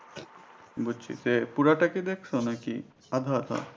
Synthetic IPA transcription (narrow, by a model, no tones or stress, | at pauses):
bud͡ʒt͡ɕʰḭsepuɾaʈaked̪ekʰsonaki | ad̪ʱat̪a̰